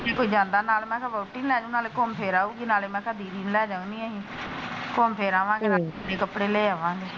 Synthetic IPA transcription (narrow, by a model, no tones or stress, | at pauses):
d͡ʒeːkoːiːd͡ʒãːnd̪aːnaːlmɛ̃ːkəbaːʈːiːnlɛːd͡ʒaʊ̃naːleːkoːmpʰeːɾaːuːɡiːnaːleːmɛ̃ːkəd̪iːɾiːnlɛːd͡ʒaːũːnĩːɦiːkoːmpʰeːɾaːʋãːɡeːnãːeːkəpɽeːleːaːʋãːɡeː